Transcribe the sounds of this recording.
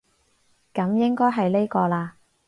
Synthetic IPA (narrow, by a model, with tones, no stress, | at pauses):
kɐ˨˥mjɪ˥ŋkɔː˥jɦɐ˨jle˥jkɔː˧laː˧